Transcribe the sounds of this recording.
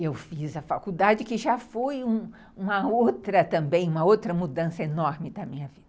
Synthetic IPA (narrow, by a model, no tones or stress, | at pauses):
ewfizɐfakud̪ad͡ʒɪkɪʒafojũ | ũmɐowt̪ɾɐt̪ɐ̃mbẽj̃ũmɐowt̪ɾɐmud̪ɐ̃sɐenɔɾmɪd̪ɐmĩɲɐvid̪̥